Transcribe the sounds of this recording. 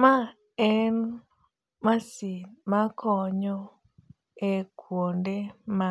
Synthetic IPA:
ma | ɛn | masimakʰɔɲɔ | ekʰwondema

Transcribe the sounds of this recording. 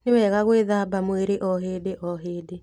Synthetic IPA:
newɛɣaɣweðaːbamweɾeʔɔɦeːdeʔɔɦeːde

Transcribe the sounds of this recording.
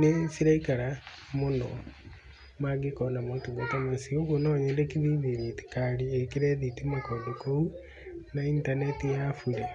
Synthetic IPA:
nesiɾaikaɾa | monɔ | maɡekɔnamotuɡotamasioɣonɔɲɛndɛkiðiðiðiti̥kaɾiekiɾɛðitimakoːndokou | naintanetijafuɾe

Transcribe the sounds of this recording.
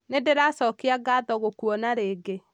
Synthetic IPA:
nedeɾasɔːkeaɡaːðɔɣokwɔnaɾeːɡe

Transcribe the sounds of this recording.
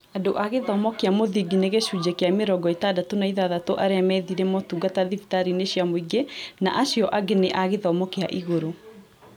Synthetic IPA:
adoʔaɣeðɔmɔkeamoðiɡineɣeʃud͡ʑekeameɾɔɡɔetadatonaiðaðatoʔaɾeamɛðiɾɛmɔtuɡataðifi̥taɾineɕjamoiɡena̰ʔaɕjɔʔaɡeneʔaɣeðɔmɔkea̰ʔiɣoɾo

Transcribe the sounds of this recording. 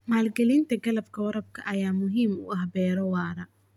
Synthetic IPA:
maːlɡɛlɪnt̪ʰɐɡɐlɐbkʰɐwɐɾɐb̚kʰɐʔɐjaːmʊɦiːmʊʔɐhbɛːɾɔwɑːɾɐ

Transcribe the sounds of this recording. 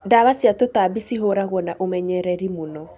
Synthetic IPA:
daβasiatotabisiɦoɾaɣwɔnaʔomɛɲɛɾɛɾimunɔ

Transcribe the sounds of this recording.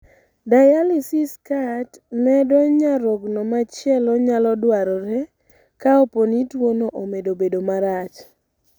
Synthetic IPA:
dajalisiskatnɛdɔɲaɾɔɡnɔmat͡ʃjɛlɔɲalɔdwaɾɔɾɛ | kaoponitwonoʔomedobedomaɾat͡ʃ

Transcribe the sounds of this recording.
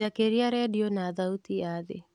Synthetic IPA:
akeɾiaɾɛdiɔnaðaut̪iaðḛ

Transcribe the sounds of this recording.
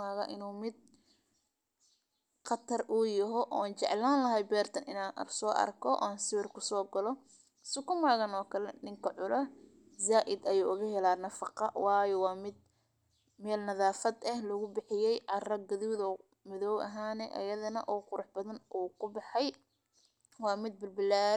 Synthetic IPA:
aːɣɐʔɪnuːmɪd̪̚ | qɑt̪ʰɐrʔʊjɐɦɔʔɔːaːnt͡ʃɛ̰ʕlaːnlɐɦɛjbɛːrt̪ʰɐnɪnaːnɐ̰rsɔːʔɐ̰rkʰɔʔɔ̰aːnsɪwɪrkʰʊsɔːɡɐlɔ | sʊkʊmaːɣɐnɔːkʰɐlɛnɪŋkʰɐʕʊlɐ | zaːʔɪd̪ɐjuːʔʊɣɐhɛlaːnɐfɑqɑwɑːjɛwɑːmɪd̪̚ | mɛːlnɐðaːfɐd̪ɐhlɔɣʊbɪħɪjɛjʕɑrɐɡɐðʊwðɔ | mɪðɔːwʔɐ̰ɦaːnɛʔɐ̰jɐðɐnɐʔɔːqʊɾʊħbɐðɐnʔuːkʰʊbɑħɑj | wɑːmɪd̪̚bɪlbɪlaːɾ

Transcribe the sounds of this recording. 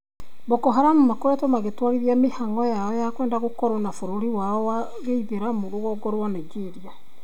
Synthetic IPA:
bɔkɔɦaɾamumakoɾatɔmaɣetwaɾiɾiamehaŋɔjaɔjakwɛːndaɣokɔɾɔnafoɾoɾiwaɔwa | ɣeiðeɾamoɾoɣɔɡɔɾowanaiɡeɾia

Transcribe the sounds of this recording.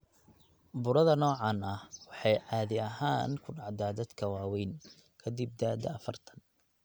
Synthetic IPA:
bʊɾɐðɐnɔːʕɑnɐhwɑħɑjʔaːðɪɐɦaːnkʰʊɖɑʕd̪aːd̪ɐd̪kʰɐwɑːwɛjn | kʰɐd̪ib̚d̪aːd̪ɐːfɐrt̪ʰɐ̥n

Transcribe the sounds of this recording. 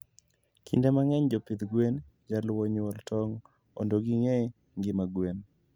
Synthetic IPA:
kʰḭndamaŋɛɲd͡ʒopid̪ɡwen | d͡ʒalwɔɲɔltʰɔŋ | o̰ndoɡiŋe | ŋɡɪmaɡwen

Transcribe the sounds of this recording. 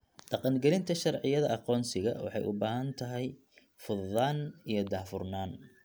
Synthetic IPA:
ɖ̥ɑqɑnɡɛlɪnt̪ʰɐʃɑrʕɪjɐðɐʔɑqɔːnsɪɣɐ̰wɑ̰ħɑ̰jʔʊbaːɦɐnt̪ʰɐɦɛj | fʊðːaːnijɞd̪aːfʊrnaːn

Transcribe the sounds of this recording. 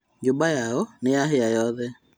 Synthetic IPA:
d͡ʒobajaɔnejaɦeajɔðɛ

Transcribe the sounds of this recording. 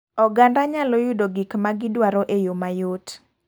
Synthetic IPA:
ɔɡandaɲalojudoɡikmaɡɪdwaɾɔʔejomajot

